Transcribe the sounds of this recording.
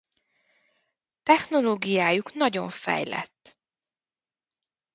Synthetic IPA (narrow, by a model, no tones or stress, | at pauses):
t̪ɛxno̞loːɡijaːjuknɒɟo̞ɱfɛ̰jlɛ̰t̪ː